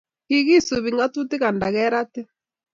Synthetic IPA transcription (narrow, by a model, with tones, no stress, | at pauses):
ki˨ɣi˦su˨βi˨ŋɡa˦tu˦ti˦ɣa˨nda˨ɣɛ˦ɾa˦tɛ˦